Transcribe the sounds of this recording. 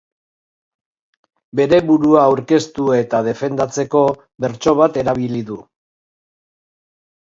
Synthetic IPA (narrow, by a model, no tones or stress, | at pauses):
be̞ɾe̞βuɾuaːwɾke̞st̪ue̞t̪að̞e̞fe̞nd̪at͡se̞ko̞ | be̞ɾt͡ʃo̞β̞at̪e̞ɾaβiliðu